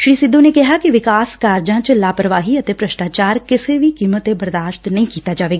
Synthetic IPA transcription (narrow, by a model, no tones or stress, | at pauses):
ʃɾiːsɪd̪ʱːõːneːkɪɦaːkɪʋɪkaːskaːɾd͡ʒãːt͡ʃlaːpɾəʋaːɦiːət̪eːpɾəʃʈaːt͡ʃaːɾkɪseːʋiːkiːmət̪ːebəɾd̪aːʃt̪nəĩːkiːt̪aːd͡ʒaːʋeːɡaː